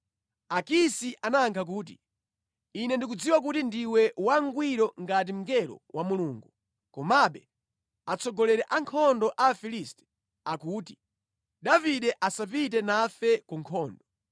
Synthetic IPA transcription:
akisiʔanaŋkʰak̬uːt̬i | inɛndik̬ud͡ziwak̬utindiwɛwaŋɡwiɾɔŋɡat̬im̩ɡɛlɔ̰wʔamuluːŋɡu | kɔmaɓɛ | at͡sʰɔɡɔlɛɾɛʔaŋkʰɔndɔʔafilistɛ̥ | akuːti̥ | ɗaviɗɛʔasap̬itɛnafɛkuŋkʰɔːndɔ

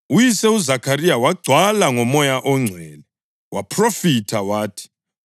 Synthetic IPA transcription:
ujisɛuzakʰarijawaɡ͡ǀʱwalaŋɔmɔjaʔɔŋ͡ǀʱɛːlɛ | wʔapʰrofitʰawaːtʰi̥

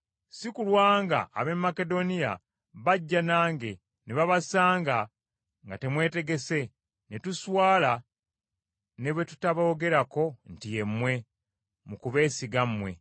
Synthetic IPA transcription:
sikulwaːŋɡa̰ːβe̞mːake̞do̞nija | βaɟːanaːŋɡe̞ | neβaβasaːŋɡa | ŋɡate̞mwe̞ːte̞ɡe̞se̞ | netuswaːla | ne̞βwe̞tu̥taβaoːɡe̞ɾako̞n̩tije̞mːwe̞ | mukuβe̞ːsiɡamːwe̞̰

